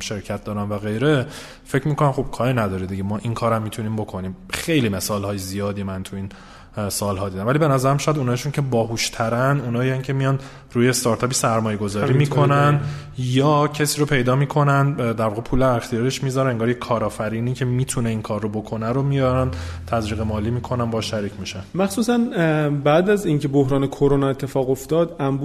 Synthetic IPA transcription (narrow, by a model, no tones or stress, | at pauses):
ʃe̞ɾcʰæt̪̚d̪ɒːɾænvæɣe̞jɾe̞ | fe̞cʰmiːko̞næmχob̚kʰɒːɾinæd̪ɒːɾid̪iɟemɒːʔinkʰɒːɾæmːit̪ʰuniːmbokʰo̞niːmxejlime̞sɒːlhɒːjezijɒːd̪iːmænt̪ʰuiːn | sɒːlɦɒːd̪id̪æmvælibe̞næzæɾæmʃɔjæd̪unɒːiʃuncʰe̞bɒːɦuʃt̪ʰæɾænunɒːjincʰe̞mijɒn | ɾuːjest̪ɒːɾt̪ʰɒːpisæɾmɒːje̞ɡo̞zɒːɾiːmiːkʰo̞næn | jɒːcʰesiːɾopʰe̞jd̪ɒːmiːkʰo̞nænd̪d̪æɾvɒːɣepʰuːleæɾext̪ijɒːɾeʃmizɒɾæneŋɡɒːɾjekʰɒːɾɒːfæɾiːniːcʰe̞miːt̪ʰuneiŋkʰɒːrːobo̞kʰo̞næɾomijɒɾænt̪ʰæzɾiːɣemɒːliːmiːkʰonænbɒːʃæɾiːcʰmiʃænmæxsuːsænbæd̪æziŋcʰe̞bohɾɒːnekʰoɾonɒe̞t̪ʰːe̞fɒːɣoft̪ɒːd̪æmbu